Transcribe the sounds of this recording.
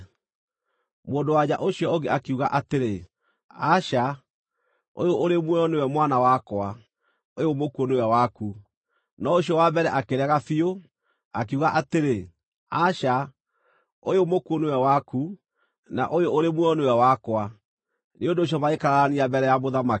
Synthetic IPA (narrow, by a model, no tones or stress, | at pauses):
moːndowaɲaʔoɕiɔoɡeakuɣa̰ʔateɾe | aɕa | o̰joʔoɾemwɛɔnewɛmwanawakwa | ojomokuoneɛwaku | nɔoɕiɔwabɛɾɛʔakeɾɛɣafio | ak̬euɣaʔateɾe | aʃa | ojomokuonewɛwaku | na̰ʔojoʔoɾemwɛɔnewɛwakwa | neondoːɕ̬ɔmaekaɾaaniabɛɾɛjamoðama